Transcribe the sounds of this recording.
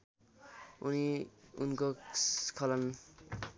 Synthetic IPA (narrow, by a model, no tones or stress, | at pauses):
uniunkokʰʌlʌn